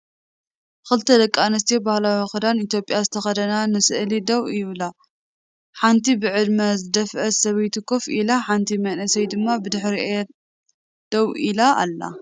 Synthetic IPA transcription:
xɨlt̪ʰɐd̪ɐkʼːanɐs̬t̪ʰebahlawixɨd̪anit̪jo̞pʼjazɨt̪ʰɐxɐd̪ɐnanɨsɨʔlid̪ɐwjɪβla | ħant̪ʰibɨʕɨd̪mɐzɨd̪ɐfʔɐsɐβɐjt̪ʰɨkʰo̞filaħant̪ʰimɐnɐsɐjd̪ɨmːabɨd̪ɨħɾiʔe | d̪̥ɐwilaʔa̰lːa̰

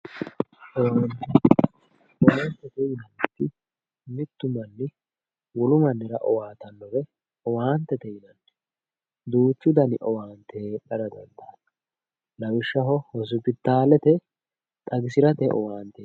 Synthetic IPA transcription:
ʔɔwaːnt̪ɛ | ɔwant̪ːɛt̪ɛjɪnɐnt̪ːɪ | mɪt̪ːʊmɐnːɪ | wɔlʊmɐnːɪɾɐʔɔ̰waːt̪ɐnːɔɾɛ | ɔwaːnt̪ːɛt̪ɛjɪnɐnːɛ̥ | d̪uːt͡ʃːʊd̪ɐnɪʔɔwaːnt̪eɗɐɾɐd̪ɐnt̪ɐnɐ | lɐwɪʃːɐɦɔhɔs̬ʊpɪt̪ːaːlɛt̪ɛ | t̪ʼɐɡɪsɪɾɐt̪ɛʔɔ̰waːnt̪ɛ

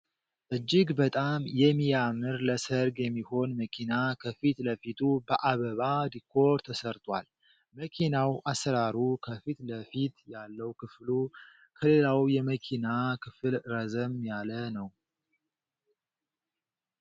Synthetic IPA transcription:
ʔɨd͡ʒːɪɡbət̪ʼamjɛmːijamɨɾləsəɾɡjɛmːiho̞nməkʰinakʰəfit̪ləfit̪ʰubəʔaβəβad̪ikʰːo̞ɾɾt̪ʰəsəɾt̪ʼwa̰l | məkʰinawʔasɾaɾukʰəfit̪ləfit̪jalːəwkʰɨflu | kʰəle̞lawjɛməkʰinakʰɨfɨlɾəzəmjalənəw

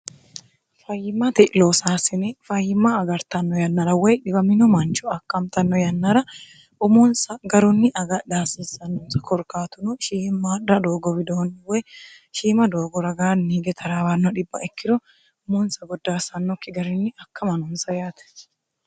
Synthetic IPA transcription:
fɐjɪmːɐt̪ɪʔloːsaːsɪnɪfɐjːɪmːaːɡɐɾt̪ɐnːɔjɐnːɐɾɐwɛjᶑɪbɐmɪnɔmɐnt͡ʃʊɐkːɐmt̪ɐnːɔjɐnːɐɾɐ | ʔʊmʊnsɐɡɐɾʊnːɪʔɐɡɐd̪aːsiːsɐnːʊnsɐ̥kʰɔɾkaːt̪ʊnʊʃiːmːaːdɾɐd̪oːɡɔbɪd̪oːnːɪwɛj | ʃiːmɐd̪oːɡɔɾɐɡaːnːiːɡɛt̪ʰɐɾaːwanːɔᶑɪbːɐ̰ʔɛkːɪɾɔ | ʊmuːnsɐɡɔd̪ːaːsɐnːɔkːɪɡɐɾɪnːɪɐkːɐmɐnʊnsɐjaːt̪ɛ̥

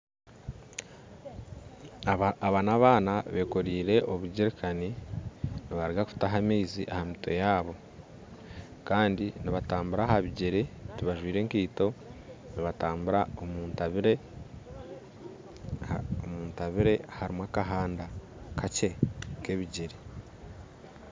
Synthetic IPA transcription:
aβaːnaβaːnaβe̞ːko̞ɾiːɾe̞ʔoβuɟeɾekʰani | niβaɾiɡakuftaɦamiːziʔahamitʰo̞̰jaːβo̞ | kaːndiniβataːmbuɾaɦaβiɟe̞ɾe̞ɾiβaʒwiːɾe̞ːŋkiːto̞niβataːmbuɾaomuːntɾe | omuːntaβiɾe̞haɾimwakaɦaːnda | kace̞ke̞βiɟeɾe

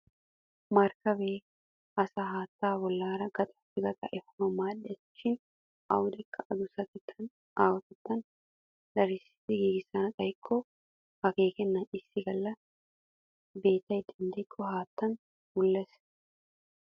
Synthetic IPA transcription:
mɐɾkɐbeː | ʔɐsɐɦaːt̪ːaːbɔlːaːɾɐɡ̥ɐt̪ʼɐfɪɡɐt̪ʼɐʔɛfɐmɐmaːᶑɛt̪ɪt͡ʃːɪn | ʔɐwʊd̪ɛkːɐʔɐd̪ʊsɐt̪ɪt̪ʰːɐn | ʔaːwɐt̪ɪt̪ːɐn | d̪ᶑ̪ɐɾɪsɪ̥t̪ːɪɡiːɡɪsanɐkʼɐjɪkʰːɔ | hɐkeːkɛnːɐnɪsːɪɡɐlːɐ | be̞ːt̪ːɐɪd̪ɐnd̪ɛkʰʼːɔhaːt̪ːɐn | bʊlːɛs

